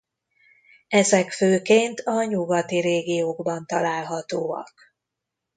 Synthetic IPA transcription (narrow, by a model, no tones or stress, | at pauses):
ɛzɛkføːkeːnt̪ʰɒɲuɡɒt̪iɾeːɡijoːɡbɒnt̪ɒlaːlɦɒt̪oːɒ̰k